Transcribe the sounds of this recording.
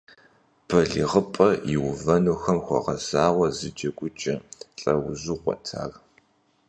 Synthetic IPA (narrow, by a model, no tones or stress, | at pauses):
b̥ʰɐɮiʁəpʼɐjɪwʊvɐnuxɐmxʷɔ̰ʁɐzaːwʷɐzɨd͡ʒɐkʷʼʊt͡ʃʼɐɬʼɐwʊzuχʷɔ̰tʰa̰ːr